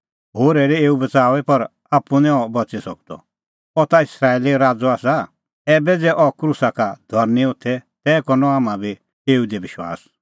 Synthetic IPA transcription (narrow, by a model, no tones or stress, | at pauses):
ɦoːɾɛɾɛeːubɐt͡saːʋɛpɐɾ | aːpːũnɛ̃ɔbɐt͡sisɔk̚d̪ɔ̰ | ɔt̪aɪsɾaːeliɾaːd͡zɔaːsa | ɛːbɛd͡zɛʔɔkɾusakad̪ʱɔɾniʊt̪ʰɛt̪ɛːkɔnɔaːmãbʱi | eːud̪iʋɪʃwa̰ːs